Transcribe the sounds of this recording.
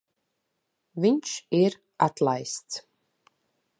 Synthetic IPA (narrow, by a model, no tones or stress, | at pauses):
viɲʲt͡ʃiɾ | at̪lˠajst̪s